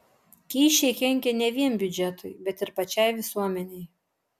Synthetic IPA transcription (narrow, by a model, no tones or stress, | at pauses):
kʲiːʃʲɛɪkʲɛŋʲkʲɛnʲɛʋʲiɛnbʲʊd͡ʒʲɛt̪ʊɪbʲɛt̪ɪɾpɐt͡ʃʲɛɪʋʲɪsuɔmʲɛnʲɛɪ